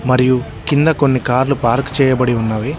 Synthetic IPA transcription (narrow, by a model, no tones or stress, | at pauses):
mɐɾiju | kind̪ɐko̞nːikaːɾlupaːɾkt͡ʃɛːjɐbɐɽiunːaːʋi